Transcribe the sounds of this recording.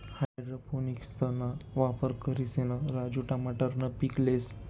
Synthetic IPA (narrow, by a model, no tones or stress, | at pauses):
hajjɖɾoponikst̪ʰənaʋapəɾkəɾisenəɾad͡ʑuʈamaʈəɾnəpikles